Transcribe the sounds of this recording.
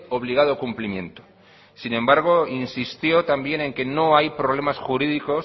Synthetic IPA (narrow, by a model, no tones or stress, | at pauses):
o̞β̞liɣ̞að̞okumplimjẽ̞nt̪o̥ | sinẽ̞mbaɾɣ̞o̞insist̪jo̞t̪ambje̞nẽ̞ŋke̞no̞ajpɾoβ̞le̞masxuɾiðiko̞